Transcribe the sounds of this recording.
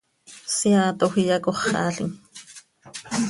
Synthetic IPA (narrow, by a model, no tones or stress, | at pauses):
siaːt̪oxijɑkoχɑ̰ːɬḭŋ